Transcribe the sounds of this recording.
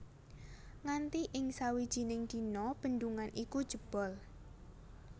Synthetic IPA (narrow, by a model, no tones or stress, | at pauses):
ŋant̪iʔɪŋsawid̥ʒ̥i̤nɪŋd̪̥i̤nɔb̥ə̤nd̪uŋanʔikud̥ʒ̥ə̤b̥ɔ̤l